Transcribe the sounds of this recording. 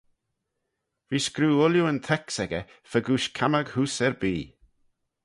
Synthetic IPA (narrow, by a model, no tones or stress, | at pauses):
viːskɾuːʊljuənt̪ʰɛksɛɡə | fəɡuːʃkʰaməɡhuːsɛɹbiː